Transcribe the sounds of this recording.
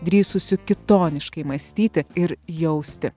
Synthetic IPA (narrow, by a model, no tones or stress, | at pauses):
d̪ʲɾʲiːsʊsʲʊkʲɪt̪oːnʲɪʃkɐɪmɐsʲt̪ʲiːt̪ʲɪɪɾjɛʊsʲt̪ʲɪ